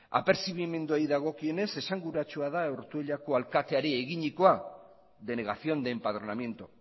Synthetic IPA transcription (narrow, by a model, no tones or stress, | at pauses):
a̰pe̞ɾsiβime̞nd̪uajðaɣ̞o̞kie̞ne̞se̞saŋɡuɾat͡ʃuað̞aeɾt̪ueʎako̞alkat̪e̞aɾeːɣiɲiko̞a | ðe̞ne̞ɣ̞aθio̞nd̪e̞mpaðɾo̞namje̞nt̪o